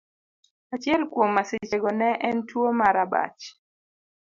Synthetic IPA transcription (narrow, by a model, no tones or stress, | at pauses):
at͡ʃjɛlkwomːasɪt͡ʃeɡɔnɛʔɛntwomaɾaba̰t͡ʃ